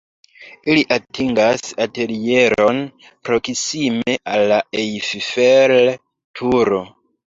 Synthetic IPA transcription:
iliʔatʰiŋɡasate̞lije̞ɾo̞n | pɾo̞ksime̞ʔalːaejfifel | tʰuɾo̞

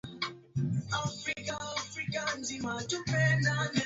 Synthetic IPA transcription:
afɾikaafɾikan̩d͡ʒimatupɛnanɛ

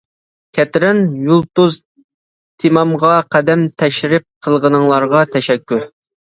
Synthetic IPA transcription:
kʲʰɛt̪ɾɪnjulˠt̪uz | t̪ʰimɑmʁɑqʰæd̪ɛmt̪ʰɛʃɾɪp̚qʰəlˠʁənɨŋlˠɑɾʁɑt̪ʰɛʃɛkʲːu

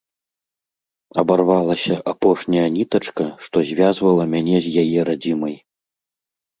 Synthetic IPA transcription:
ɐbarvalˠɐsʲɐʔapɔʂnʲɐjɐnʲit̪ɐt͡ʂkɐʂt̪ɔzʲvʲazvɐlˠɐmʲanʲɛzʲjajɛɾad͡zʲimɐj

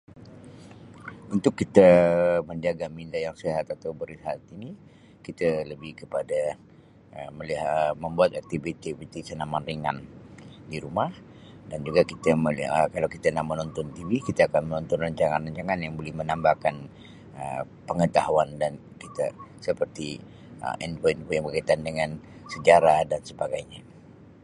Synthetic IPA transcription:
unt̪ʊkːit̪əməndiaɡamindajaŋsiɦat̪at̪awbəɾiɦat̪ini | kit̪ələbɪhkəpada | əməliɦməmbuat̪ak̚t̪ivit̪ivit̪isənamanriŋa̰ndiɾumah | dand͡ʒuɡakit̪əmələkalawkit̪anaʔmənɔnt̪ɔnt̪ivikit̪aːkanmənɔnt̪ɔnraɲt͡ʃaŋanraɲt͡ʃaŋanjaŋbolɛhmənambahkan | ə̰ | pəŋət̪aɦuandan | kit̪a̰səpərt̪i | ə̰ʔɛnpoinpojaŋbəkait̪andəŋansəd͡ʒaɾadansəbaɡajɲa

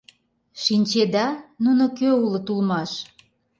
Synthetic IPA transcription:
ʃinʲt͡ɕed̪ɑnunokøulə̆t̪ulmɑʃ

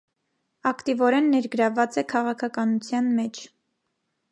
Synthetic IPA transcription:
ɑkt̪ivɔɾɛnːɛɾɡəɾɑvɑt͡sɛkʰɑʁɑkʰɑkɑnut͡sʰjɑnmɛt͡ʃʰ

